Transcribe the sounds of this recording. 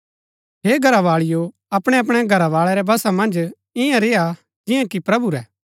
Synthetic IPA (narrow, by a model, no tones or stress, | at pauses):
ɦeːɡʱɐɾaʋaːɭɪjo | ɐpɽ̃ɛɐp̬ɽ̃ɛɡʱɐɾaʋaːɭɛɾɛbɐsamɐ̃nd͡ʒ | ɪjãɾeːa | d͡ʒɪ̃jãkipɾɐbuɾɛː